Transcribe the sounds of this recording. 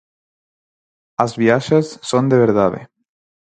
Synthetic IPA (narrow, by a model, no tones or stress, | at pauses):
azβjaʃasːond̪eβeɾðaðḛ